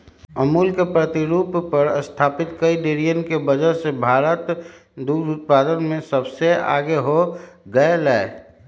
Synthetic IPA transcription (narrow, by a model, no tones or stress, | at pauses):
əmuːlkepɾət̪ɪɾuːppːəɾə̰st̪ʰaːpɪt̪kəiɖeːɾijənkebəd͡ʒəɾsebʱaːɾət̪ | d̪uːɾʊt̪̚paːd̪ənmẽsəbsea̰ːɡeɦoɡəelɛe